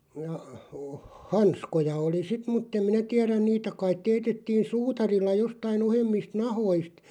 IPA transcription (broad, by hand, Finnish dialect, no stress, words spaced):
jɑ o hɑnskojɑ oli sit mutːem minæ tiæræn̆ niːtæ kɑit teːtetːiːn suːtɑrilːɑ jostɑin ohemːist nɑhoist